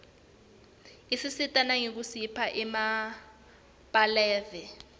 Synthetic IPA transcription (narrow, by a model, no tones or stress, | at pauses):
isisitʼanaŋek̬usipʰaʔɛma | pʼalɛːvɛ